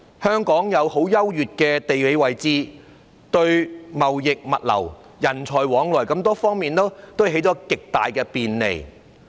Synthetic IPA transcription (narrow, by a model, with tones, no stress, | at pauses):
hœː˥ŋkɔː˨˥ŋjɐ˨˧who˨˥wjɐ˥wjyː˨t̚kɛː˧t̪e˨jwe˨˧˥jwɐ˨jt͡siː˥ | t̪ɵ˧ɥmɐ˨wjɪ˨k̚mɐ˨t̚lɐ̰˨˩w | jɐ˨˩nt͡sʰɔː˨˩jwɔː˨˥ŋlɔː˨˩jkɐ˧˥mt̪ɔː˥fɔː˥ŋmiː˨nt̪o˥wt̪o˥wɦe˨˥jt͡ʃɔ˨˥kɪ˨k̚t̪a̰ː˨jkɛː˧piː˨nlḛ˨˩j